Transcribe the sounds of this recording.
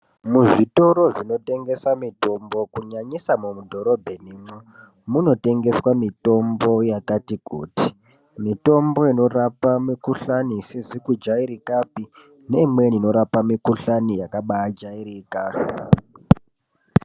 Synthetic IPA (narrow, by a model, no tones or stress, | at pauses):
muʐito̞ɾo̞ʐino̞te̞ŋɡe̞samito̞mbo̞kuɲaɲisamumudʱo̞ɾo̞bʱe̞nimo | muno̞te̞ŋɡe̞swamito̞mbo̞jakatikṵːti̥ | mito̞mbo̞ino̞rapamikuɬanisizikud͡ʒaiɾikapi | ne̞imwe̞nino̞ɾapamikuɬanijakaɓaad͡ʒaiɾiːka